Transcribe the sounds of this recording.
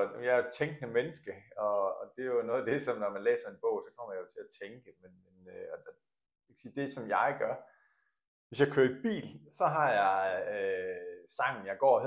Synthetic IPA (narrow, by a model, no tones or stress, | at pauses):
jɑ̈æɐ̥t͡sʰeŋɡ̥ənəmenəsɡ̥əɒ̽ːd̥e̝jonɔ̽ːðˠæd̥e̝sɒ̽mnɒmænlḛːsɐe̝nb̥ɔ̽ʊ̰sɒ̽kʰɒm̰ɐjɑjo̝t͡sʰe̝læt͡sʰeŋɡ̥əmenmenøɒ̥ | jekʰæ̥siːd̥e̝sɒ̽mjɑ̈ɪɡ̥ɶɐ | ʋe̝sjɑ̈ɪkʰøːɐib̥ḭːlsɒ̽ɦɑ̈jɑ̈ɪ | sɑ̈ŋ̰n̩jɑ̈ɪɡ̥ɒ̰ːɒhe